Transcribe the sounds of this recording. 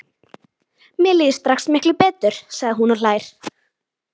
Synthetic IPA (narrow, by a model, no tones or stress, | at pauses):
mɪɛliːðɪst̪ɾaxsmɪhklʏpɛːt̪ʏɾ̥saɣðɪɦunɔl̥aːjɾ̥